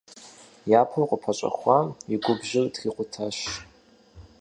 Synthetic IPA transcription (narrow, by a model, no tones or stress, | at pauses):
japʰɨrqʷʼʊpʰat͡ʃʷʼa̰χʷaiɡʷʊbʒɪrdɡ̥ʲiqʷʼʊtʰaʃ